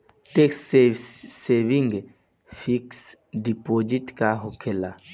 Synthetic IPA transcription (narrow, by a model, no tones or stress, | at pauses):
ʈekseseʋiŋɡ | fʰiks | ɖipoːd͡ʒiʈkaɦokʰela